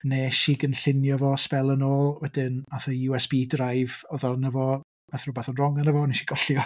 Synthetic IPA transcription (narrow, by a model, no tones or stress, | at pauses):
neːʃiːɡənɬɪnjɔvɔspɛlˠənoːlˠwɛdɪnaθəjuɛsb̥iːdrajvɔðɔnəvɔ | maθrubaθɔnrɔŋanəvɔneʃiɡɔɬjɔ